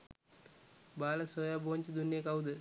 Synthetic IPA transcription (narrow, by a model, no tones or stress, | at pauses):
baːlɐsoːjaːboːɲt͡ɕid̪unːijekawd̪ə